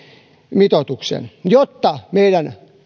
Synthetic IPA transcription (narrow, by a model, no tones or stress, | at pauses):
mit̪ot̪uksḛnjot̪ːɑmeidæn